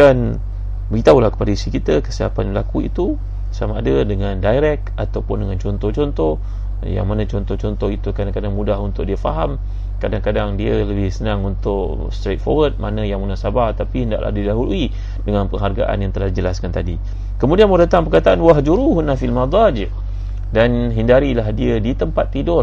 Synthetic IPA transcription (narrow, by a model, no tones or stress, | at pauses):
an | bəɡit̪aulahkə̥padaisikit̪əkəsiɦapanbəlakuḭt̪u | samaadadəŋandajɾɛk̚at̪awpʊndəŋant͡ʃɔnt̪ɔht͡ʃɔnt̪ɔh | ja̰ŋmanãt͡ʃɔnt̪ɔht͡ʃɔnt̪ɔhit̪ukadaŋkadaŋmudaɦunt̪ʊkʔ̚diəfa̰ɦam | kadaŋkadaŋdiələbɪhsənaŋunt̪ʊʔ | st̪ɾet̪̚fo̰wət̪̚manə̃jaŋmunasabart̪apiɦənda̰ʔlʔa̰hdidaɦului | dəŋanpəŋɦarɡaʔa̰njaŋt̪əlahdid͡ʒəlaskant̪adi | kəmudianmədət̪aŋpərkat̪aʔanwaɦd͡ʒuɾuɦunafilmad̪ˤɑd͡ʒɪʔ | danɦindaɾilahdiədit̪əmpat̪ːidʊr